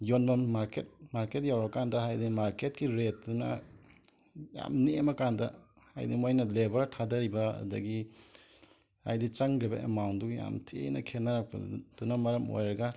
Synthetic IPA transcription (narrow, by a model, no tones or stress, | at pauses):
jonbɐmaɾket̚maɾket̚jawɾɐkandɐɦajdimaɾket̚kiɾet̚dunɐ̰ | ja̰mnimɐkandɐ̰ | ha̰jdimojnɐlebɐɾtʰadɐɾibɐɐ̰dɐ̰ɡi | a̰jdit͡ʃaŋɾibɐ̰ʔḛmawnduja̰mtʰḭnɐ̰kʰenːaɾak̚pɐ̰d̥unɐmɐɾɐmo̰jɾɐɡɐ